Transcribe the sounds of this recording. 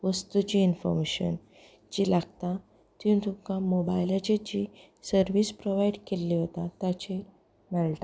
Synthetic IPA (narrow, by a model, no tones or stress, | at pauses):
ʋəst̪ut͡ɕiːnfɔ̰ɾmeɕə̰n | d͡ʑilaɡt̪ã | t̪int̪ʰukãmobajlat͡ɕed͡ʑi | səɾʋispɾoʋaiɽkelːiɦot̪at̪at͡ɕe | nəɭʈ̪a